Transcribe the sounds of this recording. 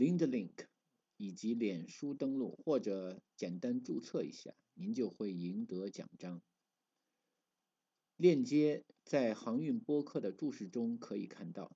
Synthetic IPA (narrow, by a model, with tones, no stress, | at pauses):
li˧˥ŋd̪ə˧li˥˩ŋkʰ | i˨˩t͡ɕi˧˥ljɛ˨˩nʂu˥t̪ɤ˥ŋlṵ˥˩xwɔ˥˩ʈ͡ʂɤ˧˩t͡ɕjɛ˨˩nt̪a˥nʈ͡ʂu˥˧t͡sʰɤ˥˩ḭ˧˥ɕja̰˥˩ni˧˥nt͡ɕjo˥˧ʊxwe˥˩ɪi˧˥ŋt̪ɤ˧˥t͡ɕjɑ̰˨˩ŋʈ͡ʂɑ˥ŋ | ljɛ˥˩nt͡ɕjɛ˥t͡sa˥˩ɪxɑ˧˥ŋy˥˩npwɔ˥kʰɤ˥˩d̪ə˩ʈ͡ʂu˥˧ʂɻ̩˥˩ʈ͡ʂʊ˥ŋkʰɤ˧˥i˨˩kʰa˥˧nt̪ɑ˥˩ʊ